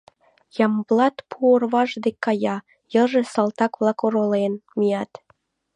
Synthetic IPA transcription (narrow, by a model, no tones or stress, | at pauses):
jɑmblɑt̪pʰuorβɑʒd̪ekːɑjɑ | jəʒesɑlt̪ɑkβlˠɑkoɾolenmijɑt̪